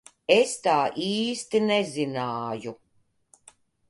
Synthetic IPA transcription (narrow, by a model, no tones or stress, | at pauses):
est̪aːʔiːst̪inɛzinaːju